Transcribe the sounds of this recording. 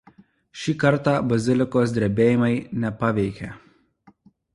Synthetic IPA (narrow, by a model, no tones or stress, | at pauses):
ʃʲiːkɐɾˑt̪ɑːbɐzʲɪlʲɪkoːs̬d̪ʲɾʲɛbʲeːjɪmɐɪnʲɛpɐʋʲɛɪkʲeː